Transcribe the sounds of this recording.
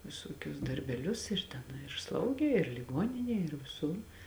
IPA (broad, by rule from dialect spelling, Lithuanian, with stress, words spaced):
ʋʲɪˈsuɔkʲʊs dɐrʲbʲɛˈlʲʊs ɪr ˈtʲɛn ɪr ˈslˠɐʊɡʲeː ɪr lʲɪˈɡoːnʲɪnʲeːj ɪr ʋʲɪˈsʊr